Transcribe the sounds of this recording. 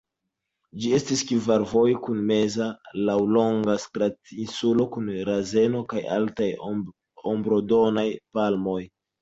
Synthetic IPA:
d͡ʒie̞stiskivaɾvo̞jkunme̞zalawlo̞ŋɡaskɾatinsulo̞kunɾaze̞no̞kaja̰ltaj | ombɾodo̞najpalmo̞j

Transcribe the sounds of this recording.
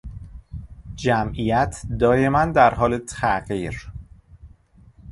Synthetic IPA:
d͡ʒæmʔijæt̪ʰd̪ɒːje̞mænd̪æɾɦɒːlet̪ʰæʔɢiːɾ

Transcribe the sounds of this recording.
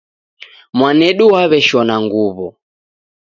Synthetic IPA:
mwanɛɗuwaβɛʃɔnaŋɡuβɔ

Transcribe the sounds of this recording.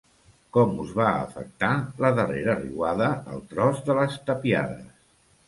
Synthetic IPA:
kɔmuzβaə̰fə̰k̚t̪aləðəreɾərḭwaðəə̰lˠt̪ɾɔzðələst̪əpia̰ðə̰s

